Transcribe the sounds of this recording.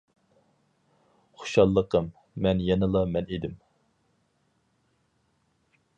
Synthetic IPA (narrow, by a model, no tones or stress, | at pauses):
χo̥ʃɑlˠːəqəmː | ɛnjɛnɨlˠɑmɛned̪ɪm